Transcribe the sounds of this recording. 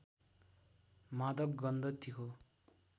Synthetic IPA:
mad̪ʌbɡʌnd̪ʌt̪ikʰo

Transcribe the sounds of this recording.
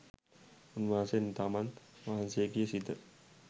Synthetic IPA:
unʋaːsent̪amanʋaɦanseːɡijəsit̪ə

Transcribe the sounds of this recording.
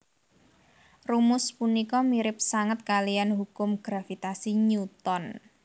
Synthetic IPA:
rumʊspunikɔmiɾɪp̚saŋət̪̚kalianɦukʊmɡ̥ɾafit̪asiɲut̪ɔn

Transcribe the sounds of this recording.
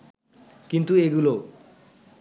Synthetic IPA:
kint̪ueɡulo

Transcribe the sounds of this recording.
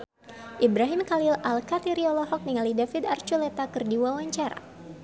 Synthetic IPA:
ʔibɾaɦimkalilalkat̪iɾiɔlɔɦɔk̚niŋalidafid̪art͡ʃulɛt̪akɨrdiwawaɲt͡ʃaɾa̰

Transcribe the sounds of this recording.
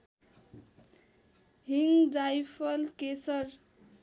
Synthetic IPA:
ɦiŋɡd͡zajpʰʌlkesʌɾ

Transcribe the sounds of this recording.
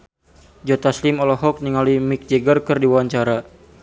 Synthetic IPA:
d͡ʒɔt̪aslimɔlɔɦɔk̚niŋalimik̚d͡ʒɛɡərkɨrdiwawaɲt͡ʃaɾa

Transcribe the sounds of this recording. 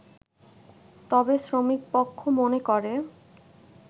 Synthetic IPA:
t̪ɔbesɾomik̚pokʰːomonekɔɾe

